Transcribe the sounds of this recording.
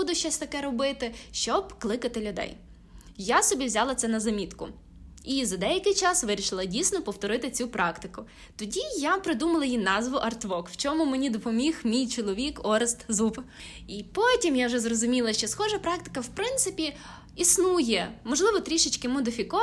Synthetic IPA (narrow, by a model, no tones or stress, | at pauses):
ud̪ʊʃt͡ʃɔsʲt̪ɐkɛɾɔbɪt̪ɪʃt͡ʃɔbklˠɪkɐt̪ɪlʲʊd̪ɛ̰j | jasɔbʲiʋzʲalˠɐt̪sɛnɐzɐmʲit̪kʊ | izɐd̪ɛjɐkɪjt͡ʃɑsʋɪɾʲiʃɪlˠɐdʲijsʲnɔpɔwt̪ɔɾɪt̪ɪt͡sʲupɾɑkt̪ɪkʊ | t̪ɔdʲijapɾɪd̪umɐlˠɐjinɑzʋʊʔɐrt̪ʋɔkw̥t͡ʃɔmʊmenʲid̪ɔpɔmʲixmʲijt͡ʃɔlˠɔʋʲikɔɾɪst̪zupipɔtʲimjawʒɛzrɔzʊmʲilˠɐʃt͡ʃɔsxɔʒɐpɾɑk̚t̪ɪ̥kɐwpɾɪnt̪sɪpʲi | isnujɛmɔʒlˠɪʋɔt̪ɾʲiʃɪt͡ʃʲkɪmɔd̪ɪfʲikɔ